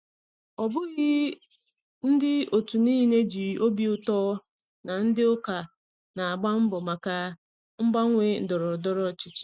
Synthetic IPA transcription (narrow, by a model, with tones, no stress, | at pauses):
ɔ˨bʊ˦ɣɪ˦ | n̩˦dɪ˦o˨tu˨niː˦ɦi˦ne˦d͡ʒi˨o˦bi˦ʊ˨tɔː˦ | na˨n̩˦dɪ˦ʊ˦ka˨ | na˨a˨ɡ͡ba˦m̩˦bɔ˨ma˨ka˨ | ŋ͡m̩˦ba˦ŋ̩˦ŋʷe˦n̩˨dɔ˨ɾɔ˨dɔ˦ɾɔ˦t͡ʃɪ˨t͡ʃɪ̥˦˨